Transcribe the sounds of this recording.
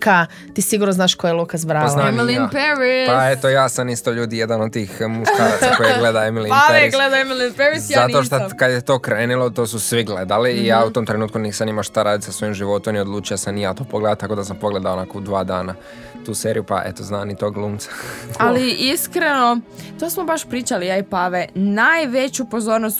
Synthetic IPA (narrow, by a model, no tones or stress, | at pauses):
ka | t̪iːsiɡuɾnoznaːʃkojelˠukazbɾaːalnamiliapeɾipaett̪ojaːsamist̪oʎuːd̪ijed̪anod̪̚t̪ːiːxmuʃkkaːɾat̪sakkojeɡle̞d̪aemilinapleeɾiɡled̪aemilˠinpeɾisjzat̪oʃt̪okad̪jet̪o̞ːkɾeːnilot̪o̞ːsusʋiɡle̞d̪aliːjaːut̪omt̪ɾe̞nuːt̪̚kunisanimaʃt̪aɾaːd̪isasʋo̞jimʒiʋo̞t̪omnio̞d̪lˠuːt͡ʃijasanijaːt̪o̞ːpoɡle̞d̪at̪ako̞d̪asampo̞ɡle̞d̪aonako̞ud̪ʋaːd̪aːna | t̪uːseːɾijupa̰ʔet̪oznaːnit̪oɡlˠuːmt̪sḁaliiskɾeno̞t̪osmobaʃpɾiːt͡ʃalijajpaʋenajʋe̞t͡ɕupozoɾnost̪